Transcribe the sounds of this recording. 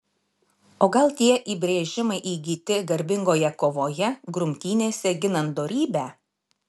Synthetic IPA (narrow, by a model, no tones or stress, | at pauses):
oːɡɐlˠt̪ʲiɛʔiːbʲɾʲeːʒʲɪmɐɪʔiːɡʲiːt̪ʲɪɡɐɾʲbʲɪŋɡoːjɛkoːʋoːjɛɡɾʊmʲt̪ʲiːnʲeːsʲɛɡʲɪnɐnd̪oːɾʲiːbʲæː